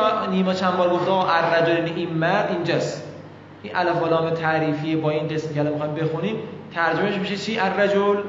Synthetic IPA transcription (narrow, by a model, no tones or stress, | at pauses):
niːmɒːt͡ʃʰænbɒːɾɡoft̪eɒːɣɔːʔærːæd͡ʒolineʔinmæɾd̪ind͡ʒɒːst̪ | ʔinʔælæfoːlɒːmet̪ʰæʔɾiːfijebɒːinɡe̞smkʰʲeælɒːmixːjmbe̞xuniːmt̪ʰæɾd͡ʒomeʃmiʃet͡ʃʰiːʔærːæd͡ʒol